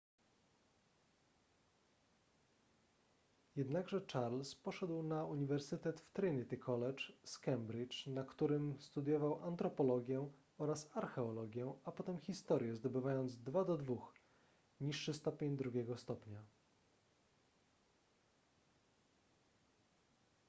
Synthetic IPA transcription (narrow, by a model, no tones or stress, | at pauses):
jɛd̪naɡʐɛt͡ʂaɾlspɔʂɛd̪wnauɲivɛɾsɘt̪ɛt̪ft̪ɾɘnʲit̪ikʰɔlɛt͡ʂskɛmbɾit͡ʂnakt̪uɾɘmst̪ud̪jɔvawʔant̪ɾɔpɔlɔɡʲjɛ | ɔɾasaɾxɛɔlɔɡʲjɛapɔt̪ɛmxʲist̪ɔɾʲjɛzd̪ɔbɘvajɔnd̪zd̪vad̪ɔd̪vux | ɲiʂːɘst̪ɔpʲjeɲd̪ɾuɡʲjɛɡɔst̪ɔpɲa